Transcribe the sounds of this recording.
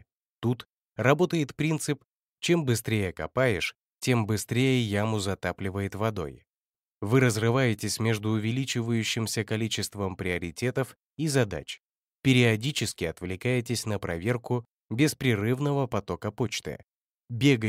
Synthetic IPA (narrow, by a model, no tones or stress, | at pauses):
t̪ut̪ | rɐbo̞t̪əjɪt̪pɾʲint̪sɨp | t͡ɕe̞mbɨs̬t̪ɾʲejəkɐ̰pajɪʂ | tʲe̞mbɨst̪ɾʲejəjamʊzɐt̪aplʲɪvəjɪt̪vɐd̪o̞̰j | vɨɾəzrɨvajɪtʲɪsʲmʲe̞ʐd̪ʊːvʲɪlʲit͡ɕɪvəjʉɕːɪmsʲəkɐlʲit͡ɕɪst̪vəmpɾʲɪɐɾʲɪtʲe̞t̪əf | izɐd̪a̰t͡ɕ | pʲɪɾʲɪɐdʲit͡ɕɪskʲɪɐt̪vlʲɪkajɪtʲɪsʲnəpɾʔɐ̰vʲe̞rkʊ | bʲɪspɾʲɪrɨvnəvəpɐt̪o̞kəpo̞t͡ɕt̪ɨ̰ | bʲeɡə